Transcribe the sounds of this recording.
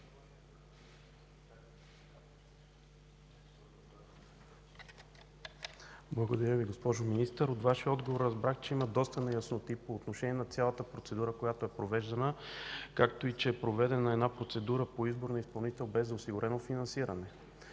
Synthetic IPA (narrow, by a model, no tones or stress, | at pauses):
blˠəɡod̪ɐɾʲjəviɡospɔʒominist̪əɾot̪vaʃiəɔd̪ɡovoɾːɐzbɾaxt͡ʃɛiməd̪ɔst̪ənɛjəsnot̪ipoːt̪noʃɛniɛnɐt̪sʲjalˠət̪əpɾot̪sɛd̪uɾəkojat̪oɛpɾovɛʒd̪ɐnəkak̚t̪oit͡ʃɛːpɾovɛd̪ɛnəɛd̪napɾot̪sɛd̪uɾəpoizboɾnəispɐlˠnit̪ɛlˠbɛzːɐosiɡʊɾʔɛnofinɐnsiɾɐnɛ